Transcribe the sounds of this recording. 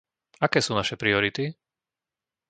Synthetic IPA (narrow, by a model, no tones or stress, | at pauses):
akɛːsuːnaʃɛpɾiɔɾit̪i